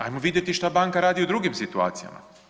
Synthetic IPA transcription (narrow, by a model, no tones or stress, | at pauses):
ajmoʋid̪je̞t̪iʃt̪abaŋkaɾaːd̪iud̪ɾuɡimsit̪ua̰ːt̪sija̰ma̰